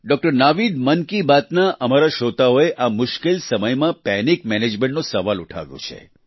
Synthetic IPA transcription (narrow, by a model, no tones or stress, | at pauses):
ɖɔk̚ʈəɾnaʋid̪mənkibat̪naʔəmaɾaʃot̪aoeʔamʊʃkelsəməjmãpɛnikmɛned͡ʒmẽɳʈnosəʋaluʈʰa̰ʋjõ̰t͡ʃʰḛ